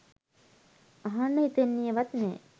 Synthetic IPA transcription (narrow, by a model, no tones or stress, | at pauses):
aɦanːəit̪enːijəʋat̪nɛː